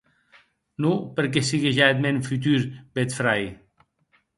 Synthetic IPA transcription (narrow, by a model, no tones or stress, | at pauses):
nupeɾk̬esiɣeʒaet̪menfyt̪̬yɾbet̪fɾaj